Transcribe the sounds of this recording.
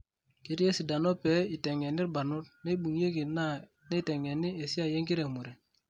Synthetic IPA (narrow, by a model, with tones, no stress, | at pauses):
ki˦ɾi˦e˦si˨da˨no˦pɛ˨˦i˨tɛ˨ŋɛ˨ni˦ba˨nu˦t̚ne˦i˦ɓu˨ŋje˦ɡi˨na˦ | ne˦i˦˨tɛ˨ŋɛ˨ni˦e˨si˦a˨je˦ŋɡi˦ɾe˨mu˨ɾe˨